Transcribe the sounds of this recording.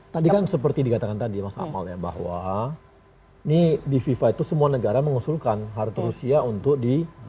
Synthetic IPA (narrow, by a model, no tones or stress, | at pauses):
t̪adikansəpərt̪idikat̪akant̪adimasa̰a̰ma̰lɲaba̰ɦwa̰ | inidififait̪usəmuanəɡaɾaməŋusulkanɦaɾt̪uɾusiaunt̪ʊk̚di